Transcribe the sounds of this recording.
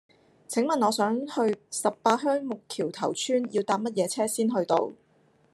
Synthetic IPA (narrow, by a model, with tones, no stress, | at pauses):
t͡sʰɪ˨˥ŋmɐ˨nɔː˨˧sœː˨˥ŋhɵ˧ɥsɐ˨p̚paː˧t̚ɦœː˥ŋmʊ˨kʰːiː˨˩wt̪ʰɐ̰˨˩wt͡ʃʰyː˥njiː˧wt̪aː˧˥p̚mɐ˥t̚jɛː˨˧t͡sʰɛː˥siː˥nɦɵ˧ɥt̪o̰˧w